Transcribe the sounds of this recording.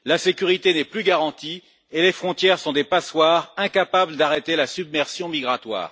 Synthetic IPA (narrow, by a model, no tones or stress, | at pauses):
lasekʲyʁit̪enɛplyɡaʁɑ̃t̪i | elefχɔ̃t̪jɛʁsɔ̃d̪epaswaʁɛ̃kapabləd̪aʁet̪elasybmɛʁsjɔ̃miɡʁat̪wa̰ːʁ